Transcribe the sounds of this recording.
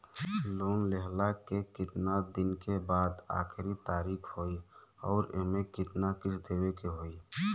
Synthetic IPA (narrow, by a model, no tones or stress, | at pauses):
loːnlɛɦlakekɪt̪nad̪ɪnkebaːd̪a̰ːxɪɾit̪aːɾiːkʰɦoiɔːɾɪ̰ɦmẽkɪt̪nakɪt͡ʃʰd̪eːwekeɦoːi